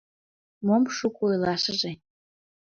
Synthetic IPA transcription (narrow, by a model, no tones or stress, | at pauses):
momʃukʼojlˠɑʃəʒe